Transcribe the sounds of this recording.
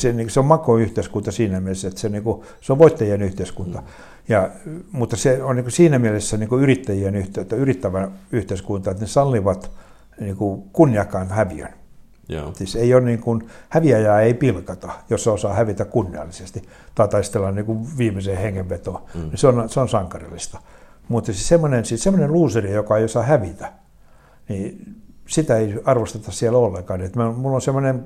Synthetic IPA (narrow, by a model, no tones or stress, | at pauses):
senikseommɑkoyht̪eskunt̪ɑsiːnæmielesːæet̪seoniːŋku | seoʋʋoit̪ːɑjienyht̪eiskunt̪ɑ | jɑmut̪ːɑseonniːŋkusiːnæmielesːæniːŋkuyrit̪ːæjienyht̪t̪ːæyrit̪ːæʋæyht̪eiskunt̪ɑet̪nesɑlːiʋɑt̪ | niːkukunːiɑkːɑinhæʋiø̰n | siseionniːŋkunhæʋiɑjɑːeipilkɑt̪ɑjosːeosɑːhæʋit̪ækkunːiɑ̰lːisest̪i | t̪ɑit̪ɑist̪elːɑnniːkuʋʋiːmiseheŋːeʋʋet̪oːniseonseonsɑŋkɑrḭlːist̪ɑ̥ | mut̪ːesisemːonensiːssemːoneluːserijokɑeiosɑhæʋit̪æ̥ | ni | sit̪æeiɑrʋost̪et̪ɑssielolːeŋkɑːnet̪mæmulːonsemːonem